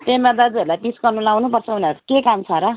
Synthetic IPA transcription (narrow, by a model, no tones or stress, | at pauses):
t̪emad̪ad͡zuʌɾulajpiskʌnulawnupʌrt͡sʰʌbʱʌneɾkekamt͡sʰʌɾʌ